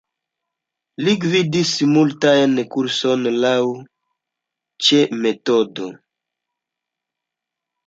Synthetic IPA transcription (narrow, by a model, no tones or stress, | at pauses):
liɡvidismultajnkuɾsonlaw | t͡ʃemetodo̰